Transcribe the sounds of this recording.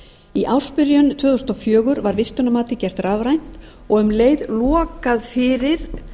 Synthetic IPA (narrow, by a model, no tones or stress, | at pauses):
iʔaw̥spɪɾjʏnt̪ʰvœːðʏst̪ɔwfjœːɣʏɾvaɾvɪst̪ʏnamaːt̪ɪcɛr̥t̪raːvɾajn̥t̪ | ɔɣʏmleːjðlɔːkaðfɪɾɪɾ̥